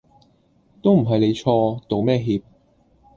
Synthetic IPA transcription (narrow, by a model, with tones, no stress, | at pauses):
t̪o˥wm̩˨˩ɦɐ˨jle˨˧jt͡ʃʰɔː˧t̪o˨wmɛː˥˧ɦiː˧p̚